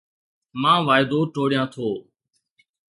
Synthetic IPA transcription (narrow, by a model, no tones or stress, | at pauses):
mãːʋaːɪd̪oːʈoːɽɪjãːt̪ʰoː